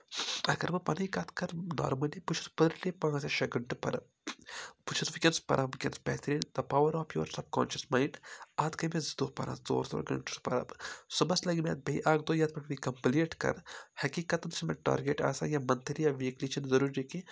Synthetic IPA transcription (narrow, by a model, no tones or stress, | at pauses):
ɐ̰ɡɐɾmɐpɐnɐjkɐt̪kɐɾna̰ːɾmɐliput͡ʃʰu̥spɐd̪ɾlipaːsɐʃɐɡɐɳʈupɐ̰ɾɐ̰ | put͡ʃʰusʋikʲɐnspɐ̰ɾʔɐbkʲɐnspɛːt̪ʰɾiːnd̪ɐpaːʋɐɾɔːpjo̰ːɾsɐpkɔ̰ːnʃɐsmaːiɳʈaːt̪kɐmezd̪oːpɐ̰ɾã̰ːt̪zo̰ːɾzo̰ːɾɡɐ̰ɳʈuspɐɾɐ̰bsubɐslɐɡimʲjaːt̪̚bɐiʔaːɡd̪oːjaːt̪̚pɐʈʰʋikɐmpileːʈkɐ̰ɾhɐkikɐt̪ɐnsimɐʈa̰ːɾɡeːʈa̰ːsa̰jaːmɐnt̪ʰɾijaʋiːklit͡ʃʰɐnzɐɾuːɾd͡ʒiki